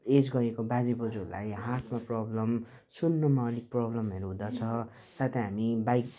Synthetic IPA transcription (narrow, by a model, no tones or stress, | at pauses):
ed͡zɡʌɾekobad͡zibʌd͡zula̰jɦart̪ʰmaprʌblʌm | sunːomaʌlik̚prʌblʌmʌɾuɦũd̪ʌt͡sʰʌ | sat̪ʰeɦamibajk